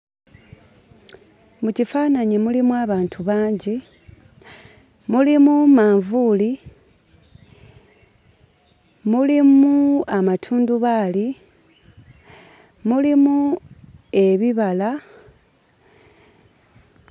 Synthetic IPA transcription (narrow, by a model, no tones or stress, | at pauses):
mucifaːnaɲimulimuaβaːntʰuβaːɲɟi | mulimumaːɱvuli | mulimuamatʰuːnduβali | mulimu | e̞βiβala